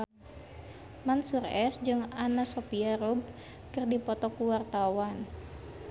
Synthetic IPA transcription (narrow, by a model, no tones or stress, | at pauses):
mansurɛsd͡ʒɨŋanasopiarub̚ | kɨrdipɔt̪ɔkuwart̪awan